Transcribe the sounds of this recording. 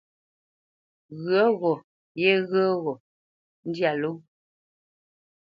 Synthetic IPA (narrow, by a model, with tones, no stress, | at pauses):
ɣɰə˨˦ɣɔ˨ | jɛ˦ɣə˦ɣɔ˨ | n̩˦dja˨lo˦